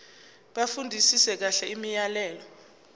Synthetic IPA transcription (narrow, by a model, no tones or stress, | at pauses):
ɓafundʱisisɛk̬aɬɛimijalɛːlɔ